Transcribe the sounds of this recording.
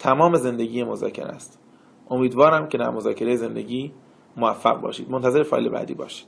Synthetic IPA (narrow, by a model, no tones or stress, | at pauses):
t̪ʰæmɒːme̞ze̞nd̪eɟiːjemozɒ̰ːcʰe̞̰ɾæ̰st̪ | ʔo̞miːd̪vɒːɾæmcʰe̞d̪æ̰ɾmozɒːcʰe̞ɾejeze̞nd̪eɟiː | movæfːæ̰ɣbɒ̰ːʃiːd̪mont̪æze̞ɾefɒːjlḛbæ̰ːd̪iːbɒ̰ːʃi̥d̪̥